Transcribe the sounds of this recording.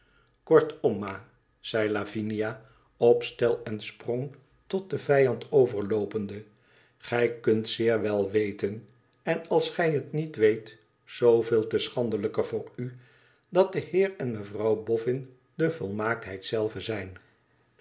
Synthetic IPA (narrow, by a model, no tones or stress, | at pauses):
kɔɹtɔmːaː | z̥ɛjlavinija | ɔpstɛlˠɛnsprɔŋ | tɔt̚dəvɛjɑntowvəɹlowpəndə | χɛjkɵntsɪːɹʋɛlˠʋejtən | ɛnɑlˠsχɛjɦətnitʋejt | z̥owvɪːlˠtəsχɑndələkəvʊːry | dɑt̚dəhɪːrɛnməvrɑwbɔfɪn | d̥əvɔlˠmaːk̚tɦɛjtsɛlˠvəzɛjn